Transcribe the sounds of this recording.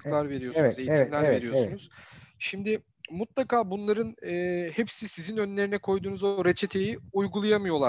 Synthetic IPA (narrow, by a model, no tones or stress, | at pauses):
klˠaɾve̞ɾijo̞unɛze̞jitʰimlʲæɾve̞ɾijosuunuz̥ʃimd̪ɪ | mut̪lˠakʰaːbunlˠaɾɯnɯːhepsisizinø̞nlʲe̞ɾinɛkʰo̞jd̪uːnuzo̞ɾet͡ʃʰe̞t̪ʰe̞jiujɡulˠajamɯjo̞lˠa